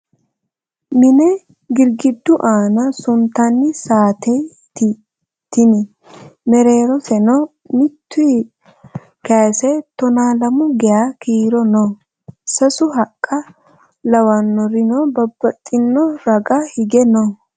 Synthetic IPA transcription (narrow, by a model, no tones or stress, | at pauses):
mɪnɛ | ɡɪɾɡɪd̪ːʊʔaːnɐsʊnt̪anːɪsaːt̪ʰɛj | t̪ɪ | t̪ɪnɪ | mɛɾe̞ːɾɔsɛnɔ | mɪt̪ːʊ | kɐsɛt̪ɔnaːlɐmʊɡɛjaːkiːɾɔnɔ | sɐsʊɦɐkʼːɐ | lɐwɐnːɔɾɪnɔbɐbːɐt̪ʼːɪnːɔɾɐɡɐhɪɡɛno